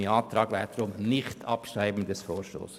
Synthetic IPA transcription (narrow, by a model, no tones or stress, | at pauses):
iɑːt̪ɾɑːɡ̥ʋɛːt̪ɾʊmnɪxtʰɑpʃɾaɪbn̩dɛsfoːɾʃto̰ːs